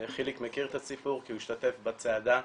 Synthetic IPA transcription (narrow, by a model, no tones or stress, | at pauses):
χilikmekiʁet̪asipuʁkiuiʃt̪at̪e̞fbat͡sead̪a